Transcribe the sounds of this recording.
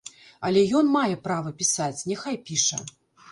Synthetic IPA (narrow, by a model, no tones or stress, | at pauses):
ɐlʲɛjɔnmajɛpɾavɐpʲisat͡sʲnʲɛxajpʲiʂɐ̰